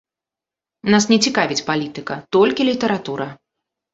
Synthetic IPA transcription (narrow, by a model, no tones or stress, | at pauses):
nasnʲɛt͡sʲikavʲit͡sʲpalʲit̪ɨkɐt̪ɔlʲkʲilʲit̪ɛɾat̪uɾɐ